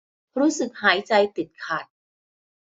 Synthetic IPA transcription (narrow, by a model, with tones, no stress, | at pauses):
ɾuː˦˥sɯ˨˩k̚haː˩˦jt͡ɕa˧jt̪i˨˩t̪̚kʰa˨˩t̪̚